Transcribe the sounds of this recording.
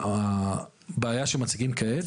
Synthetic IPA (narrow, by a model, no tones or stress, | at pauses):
a | beajaʃemat͡siɡimkaet